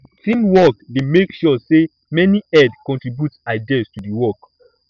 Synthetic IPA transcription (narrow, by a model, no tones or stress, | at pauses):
tʰĩmwɔkdemekʃɔse | mɛniɛdkɔ̃ntɹibjutsaɪdistudiwɔk